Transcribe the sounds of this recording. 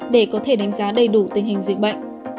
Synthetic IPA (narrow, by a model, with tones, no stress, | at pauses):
ɗe˧˩kɔ˨˦t̪ʰe˧˩ɗa˨˦ŋzaː˨˦ɗə˧˩jɗu˧˩t̪ï˨˩ŋhï˨˩ŋ̟zi˨˩k̚ɓə̰˧˨jŋ̟